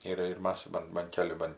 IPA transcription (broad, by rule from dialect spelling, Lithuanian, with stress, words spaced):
ˈiːrɐ ɪr ˈmɐs ˈbɐn bɐn ˈkʲæːlʲɪ ˈbɐn